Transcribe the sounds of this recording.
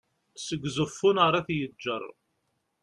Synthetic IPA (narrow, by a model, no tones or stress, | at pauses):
səɡzəfːʊnaɾˤɑθjəd͡ʒːə̰rˤ